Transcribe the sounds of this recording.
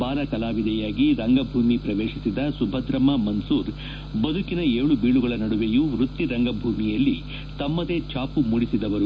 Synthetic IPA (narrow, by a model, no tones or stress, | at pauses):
baːɾɐkɐlaːʋid̪ɛjaːɡiɾɐŋɡɐbʱuːmipɾɐʋeːʂisid̪ɐsubʱɐd̪ɾɐmɐmɐnsuːɾ | bɐd̪ʱukinɐeːɭubiːɭuɡɐɭɐnɐɽuʋejuɾut̪ːiɾɐŋɡɐbʱuːmijɐlːi | t̪ɐmːɐd̪e̞t͡ʃaːpumuɽisid̪ɐʋɐɾu